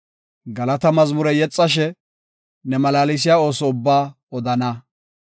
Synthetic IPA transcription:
ɡɐlɐt̪ɐmɐzmʊɾɛjɛt͡sʼːɐʃ̬ɛ | nɛmɐlaːlɪs̬ɪjaːo̞ːsɔʊbːaː | ɔd̪ɐnɐ

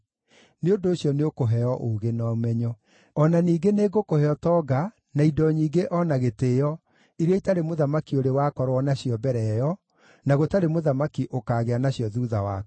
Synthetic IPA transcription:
neondoːɕijɔneokoɦɛjɔʔoɣenɔmɛɲɔ | ɔnaniːɡeneɡokohɛɔtɔːɡa | naidɔɲiːɡeʔɔnaɣetejɔ | iɾeɛitaɾemoðamakioɾewakɔɾwɔnaɕijɔbɛɾɛjɔ | naɣotaɾemoðamakiʔokaːɣeanaɕjɔðuðawa̰

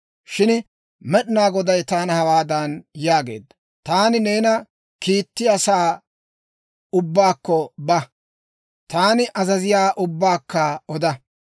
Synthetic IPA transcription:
ʃɪn | mɛɗnaːɡɔd̪ɐjt̪aːnɐhɐwaːd̪ɐnjaːɡe̞̰ːd̪ːɐ | t̪aːnɪneːnɐ | kiːt̪ːɪjɐsaː | ʊbːaːkːɔbɐ | t̪aːnɪʔɐzɐzɪjaːʔʊbːaːkːaɔd̪ɐ

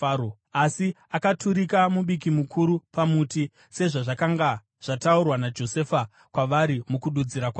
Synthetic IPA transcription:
asi | akatʰuɾikamuɓik̬imukʰuɾupamuːti | se̞ʐaʐakaŋɡa | ʐ̥ataurwanad͡ʒo̞se̞fa | kwaʋaɾimukuɗud͡ziɾakwa

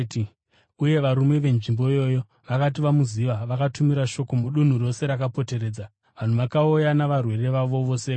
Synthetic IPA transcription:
uje̞ʋaɾume̞ʋe̞nʐimbo̞jo̞jo̞ | ʋakat̬iʋamuziʋaʋakatumiɾaʃo̞ko̞muɗun̤uro̞se̞ɾakapo̞te̞ɾe̞ːd͡za | ʋan̤uʋakaujanaʋarwe̞ɾe̞ʋaʋo̞ʋo̞se

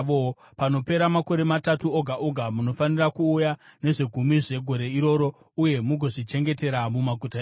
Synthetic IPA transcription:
o | pano̞pe̞ɾamako̞ɾe̞matatuoɡʱaʔoɡʱamuno̞fanirakuːjane̞ʐeɡʱumiʐe̞ɡʱo̞ɾe̞iɾo̞ɾo̞ | uje̞muɡʱo̞ʐit͡ʃe̞ŋɡe̞te̞ɾamumaɡʱutae

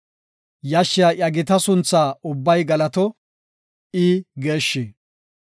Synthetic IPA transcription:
jɐʃːɪjɐʔɐɡɪt̪ɐsʊnt͡sːaːʊbːɐjɡɐlɐt̪ɔ | ɪɡeːʃːe

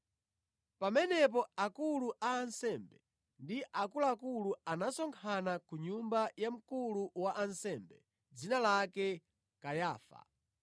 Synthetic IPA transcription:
pamɛnɛp̬ɔakuluʔaːnsɛmbɛ | ndiʔakulaakuluanasɔŋkʰanakuɲumbajam̩kuluwaʔansɛmbɛ | d͡zinalakɛ | kajaːfa̰

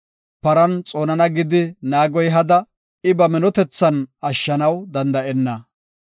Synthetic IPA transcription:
pɐɾɐnt͡sʼoːnɐnɐɡɪd̪ɪnaːɡɔjɦɐd̪ɐ | ɪbɐmɪnɔt̪ɛt͡sːɐnɐʃːɐnɐwd̪ɐnd̪ɐʔɛnːɐ

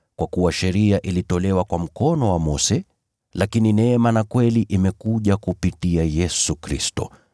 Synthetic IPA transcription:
kwakuwaʃɛɾiaʔilitɔlɛwakwam̩kɔnɔwamɔsɛ | lakininɛmanakwɛliʔimɛkuʄakupitiajɛsukɾistɔ̰

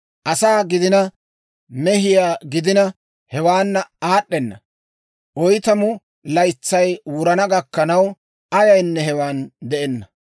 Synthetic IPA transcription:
ʔɐsaːɡɪd̪ɪnɐ | mɛɦɪjaːɡɪd̪ɪnɐ | hɛwaːnːɐaːɗːɛnːɐ̰ | ʔɔjt̪ɐmʊ | lɐjt͡sːɐjwʊɾɐnɐɡɐkːɐnɐw | ɐjɐjnːɛɦɛwaːnd̪ɛʔɛnːɐ

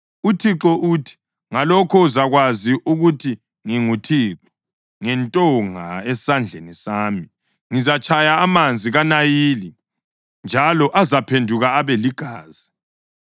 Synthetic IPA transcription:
utʰiǁɔʔutʰi̥ | ŋalɔkʰɔuzaɣwaziʔuɣutʰi | ŋiŋutʰiːǁɔ̥ | ŋɛntʼɔŋa̰ɛsand͡ɮʱenisaːmi | ŋizat͡ʃʰʼajaːmand͡zʱiɣanajiːli | nd͡ʒʱalɔʔazapʰendʱuɣaːβeliɡ̥ʱaːzi

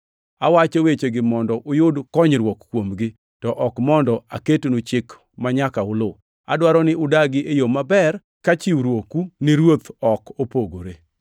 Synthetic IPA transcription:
awat͡ʃɔwet͡ʃeɡɪmɔndɔʔʊjʊdkɔɲɾwɔkkwomɡɪ | tɔʔɔkmɔndɔa̰ketnut͡ʃɪk | maɲakaʊlo | a̰dwaɾɔnɪʔʊdaɡɪʔejomabɛr | kat͡ʃɪwɾwokunɪɾwot̪ɔkopoɡoɾe

